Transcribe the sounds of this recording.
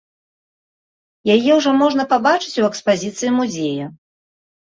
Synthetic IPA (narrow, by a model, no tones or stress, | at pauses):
jajɛwʐɔmɔʐnɐpabat͡ʂɨ̥t͡sʲuɛkspazʲit̪sɨjimuzʲejɐ